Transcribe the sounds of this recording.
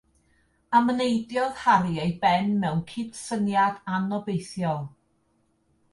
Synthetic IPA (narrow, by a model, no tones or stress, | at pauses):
əmənejdjɔð̥haɾiejbɛnmɛwnkʰɪdsənjadanɔbejθjɔlˠ